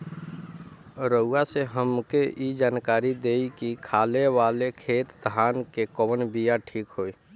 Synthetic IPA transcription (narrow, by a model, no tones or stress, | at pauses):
ɾəuaseɦəmkeid͡ʒaːnkaɾid̪eikikʰaleʋalekʰeːt̪d̪ʱankekəbənbijaʈʰiːkɦoi